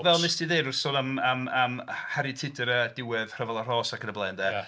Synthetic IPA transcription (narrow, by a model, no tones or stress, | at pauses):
vɛlˠnɪsd̥iðeɾʊrsoːnamamamhaɾitʰɪdɛɾədɪwɨðr̥əvɛlˠər̥ɔːsakʰənəblˠɛndɛ